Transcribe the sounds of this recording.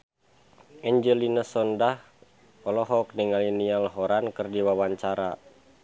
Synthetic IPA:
ʔɛɲd͡ʒəlinasɔndah | ɔlɔɦɔk̚niŋalinialɦɔɾankɨrdiwawaɲt͡ʃaɾa

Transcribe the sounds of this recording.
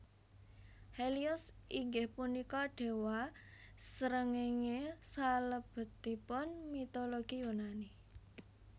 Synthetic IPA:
heliʊsiŋɡɪhpunikɔɖ̥e̤wasəɾəŋeŋesaləb̥ə̤t̪ipʊnmit̪oloɡ̥ijunani

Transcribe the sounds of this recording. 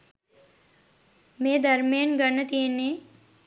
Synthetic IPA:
meːd̪ɐɾmejənɡənːət̪ijenːeː

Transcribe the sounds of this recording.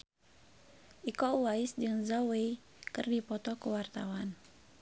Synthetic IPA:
ʔikɔuwaisd͡ʒɨŋzawej | kɨrdipɔt̪ɔkəwart̪awan

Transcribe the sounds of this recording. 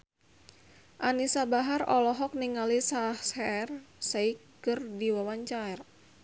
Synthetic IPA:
ʔanisabaɦarɔlɔɦɔk̚niŋalisahshɛrsaikː | ɨrdiwawaɲt͡ʃaɛr

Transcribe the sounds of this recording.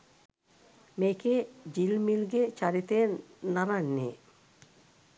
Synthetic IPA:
meked͡ʑilmilɡet͡ɕaɾit̪enaɾanːe

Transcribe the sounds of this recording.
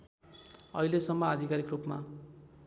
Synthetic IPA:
ʌ̰ilesʌmːʌːd̪ʱikaɾikrupma

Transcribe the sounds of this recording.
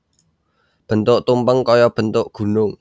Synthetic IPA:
b̥ə̤nt̪ʊʔt̪umpəŋkɔjɔb̥ə̤nt̪ʊʔɡ̥ṳnʊŋ

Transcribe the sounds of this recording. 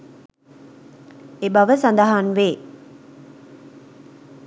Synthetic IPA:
ebaʋəsand̪aɦanʋeː

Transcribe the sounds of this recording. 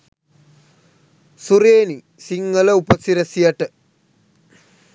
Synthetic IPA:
suɾeːni | siŋːɐlɐupɐsiɾɐsijɐʈːɨ

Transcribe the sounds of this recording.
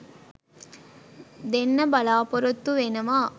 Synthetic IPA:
d̪enːɐbɐlaːpɔɾɐt̪ːuʋenɐmaː

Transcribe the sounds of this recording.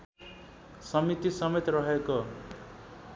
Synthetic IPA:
sʌmit̪isʌmet̪rʌɦeko

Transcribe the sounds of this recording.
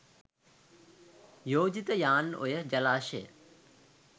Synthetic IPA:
joːd͡ʑit̪əjaːno̰jəd͡ʒɐlaːʃḛː

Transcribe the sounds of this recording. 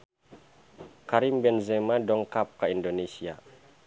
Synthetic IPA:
kaɾimbɛnzɛmadɔŋkap̚kaindonesia

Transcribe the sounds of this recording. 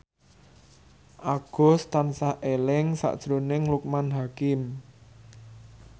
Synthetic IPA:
ʔaɡ̥ɔ̤st̪ansahʔelɪŋsa̰ʔd̥ʒ̥ɾonɪŋluk̚manɦakɪm

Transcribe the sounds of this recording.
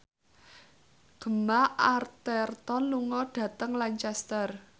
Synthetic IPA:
ɡ̥ə̤maʔart̪ɛrt̪ɔnluŋɔɖ̥ä̤t̪əŋlaɲt͡ʃɛst̪ər

